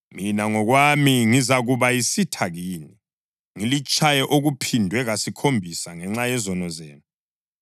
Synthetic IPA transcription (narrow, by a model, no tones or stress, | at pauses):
minaŋɔɣwamiŋizaɣuβajisitʰaɣiːni | ŋilit͡ʃʰʼajɛʔoɣupʰindʱwɛɣasikʰombʱisaŋɛŋ͡ǁajɛzɔnɔzḛːnu